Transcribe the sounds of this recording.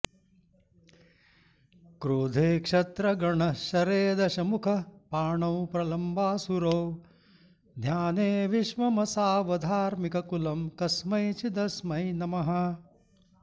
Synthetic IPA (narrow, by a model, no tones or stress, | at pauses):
kɾuːd̪ʱeːkʂɐt̪ɾɐɡɐɳɐʃɐɾeːd̪ɐʃɐmukʰɐpaːɳɐwpɾɐlɐmbʱaːsuɾoː | d̪ʱjaːneːʋiʃmɐmɐsaːʋɐd̪ʱaːɾmikɐkulɐmkɐsmɐjt͡ʃid̪ɐsmɐjnɐmɐɦɐ